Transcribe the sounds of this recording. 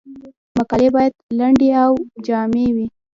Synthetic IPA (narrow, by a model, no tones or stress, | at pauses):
makɑlebɑjad̪laɳɖeawd͡ʒɑmewi